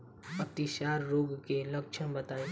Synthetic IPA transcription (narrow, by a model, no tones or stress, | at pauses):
ɐt̪iʃaːɾːoːɡkelɐkʃʰənbət̪aːe